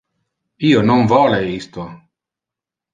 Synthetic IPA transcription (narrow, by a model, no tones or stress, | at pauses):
iːonoɱvɔːleist̪o